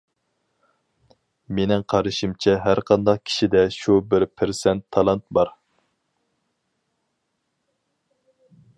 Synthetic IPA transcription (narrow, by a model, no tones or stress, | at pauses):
menɪŋqʰɑɾɨʃimt͡ʃʰɛɦæɾqʰɑnd̪ɑq̚kʲʰi̥ʃid̪ɛʃubɪɾpʰɪɾsɛnt̪ʰːɑlˠɑnt̪̚bɑɾ